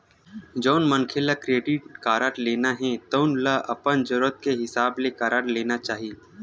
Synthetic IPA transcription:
d͡ʒoːnmənkʰɪlakɾeːɖɪʈkaːɾaːʈleːnaɦɛ̃t̪oʊnlaʔɐpənd͡ʒʊɾət̪̚keɦɪsaːblekaːɾaːɾleːnat͡ʃaːɦi

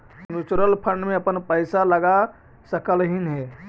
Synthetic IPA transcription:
nut͡ʃuɾəlpʰəɳɖmẽəpənpəɪsaləɡa | səkəlɦinɦɛ

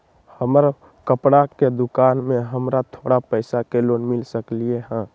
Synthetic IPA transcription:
həməɾ | kəpɽaked̪ʊkaːnmẽɦəmɾat̪ʰoːɽapəɪsakeloːnmɪlsəklieɦɛ̃ː

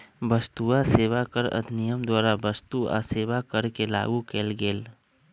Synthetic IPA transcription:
bəst̪uaseːʋakəɾə̰d̪ʱnijəmd̪waːɾabəst̪ua̰seːʋakəɾkela̰ːɡukeːlɡeːl

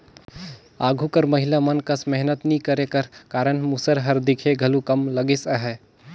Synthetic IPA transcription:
aɡʱukəɾməɦilamənkəsmɛɦnət̪nikəɾekəɾkaːɾənmusəɾɦəɾd̪ikʰeɡʱəlukəmləɡisəɦɛ

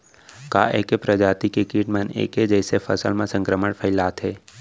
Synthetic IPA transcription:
ka̰ːʔeːkepɾəd͡ʒaːt̪ikekiːʈmənḛːkɦed͡ʒɛːsefʰəsəlmãsə̃ŋkɾəməɽpʰəɪlaːt̪ɦɛː

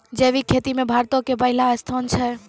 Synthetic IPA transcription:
d͡ʒeʋikʰːet̪imẽbʱaɾt̪okepəɦilast̪ʰɔnt͡ʃʰe

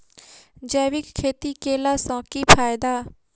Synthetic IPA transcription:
d͡ʒɛːʋɪkkʰːeːt̪ikeːlaːsãːkipʰaːjd̪aː

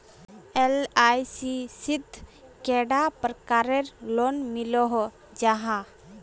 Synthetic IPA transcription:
elajsisid̪ʱkeɖapɾəkaɾeɾlonmiloɦ | d͡ʒaɦã

